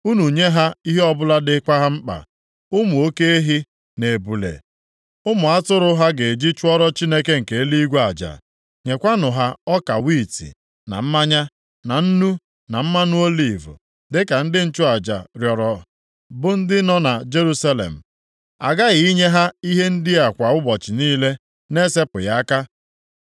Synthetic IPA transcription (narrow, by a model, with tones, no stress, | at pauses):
u˦nu˨ɲe˦ɦa˦i˦ɦe˦ɔ˦bʊ˦la˦dɪ˦kʷa˦ɦa˦m̩˦k͡pa̰˨ | ʊ˦mʊ˨o˦ke˦e˦ɦi˦ | ne˨bu˨lḛ˨ | ʊ˦mʊ˨a˦tʊ˦ɾʊ˦ɦa˦ɡe˨d͡ʒi˦t͡ʃʊ˦ɔ˦ɾɔ˦t͡ʃi˦ne˦ke˦ŋ̩˨ke˨˦li˦ɡʷa˨d͡ʒa̰˨ | ɲe˨kʷa˦nʊ˨ɦa˦ɔ˦ka˨wi˦˨tḭ˨ | na̰˨m̩˦ma˦ɲa˦ | na˨n̩˦nu˦ | na˨m̩˦ma˦nu˦o˦li˨vʊ̰˨ | dɪ˦ka˨n̩˦dɪ˦n̩˦t͡ʃʊ˦a˨d͡ʒa̰˨ɾjɔ˨ɾɔ˨ | bʊ˦n̩˦dɪ˦nɔ˦na˨d͡ʒe˦ɾu˦sa˦lḛ˨m̩˨ | a̰˨ɡa˦ɣɪ˨i˦ɲe˦ɦa˦i˦ɦe˦n̩˦dɪ˦a˨kʷa˨ʊ˦bɔ˨t͡ʃɪ˨niː˦le˦ | ne˦se˦pʊ̰˨ja˦a˦ka˦